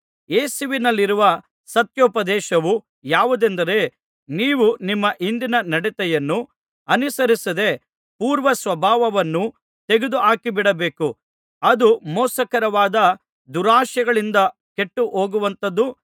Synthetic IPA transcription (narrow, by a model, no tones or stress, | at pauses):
eːsuʋinɐlːiɾuʋɐ | sɐt̪joːpɐd̪ɛːʃɐʋu | jaːʋud̪end̪ɐɾe̞ | niːʋunimːɐʔind̪inɐnɐɽit̪ɛjɐnːu | ɐnisɐɾisɐd̪e̞ | puːɾʋɐsʋɐbʱaːʋɐʋɐnːu | t̪e̞ɡed̪uɦaːkibiɽɐbeːku | ɐd̪umɔːsɐkɐɾɐʋaːd̪ɐ | d̪uɾaːʃjɐɡɐɭind̪ɐ | ke̞ʈːuʔɦoːɡuʋɐnt̪ɐd̪ːu